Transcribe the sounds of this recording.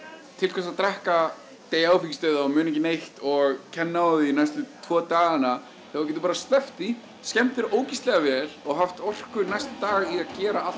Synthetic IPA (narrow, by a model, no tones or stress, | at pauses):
t̪ʰɪlkʰvɛsaðt̪ɾɛhka | t̪eːjawficɪst̪œɥðaɔmʏːnɛcɪnejht̪ɔɣcʰɛnːawðɪinajst̪lʏt̪ʰvɔːt̪aːɣana | θɛacɛːt̪ʏpaːɾast̪lɛft̪i | scɛm̥t̪ɪɾoːwcist̪lɛɣavɛːlɔɣɦaft̪ɔr̥kʏɾnajst̪ɪ̥t̪aːɣiaðcɛːɾaal